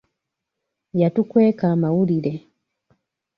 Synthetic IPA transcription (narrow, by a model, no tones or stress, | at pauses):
jatukwɛkamaulilɛ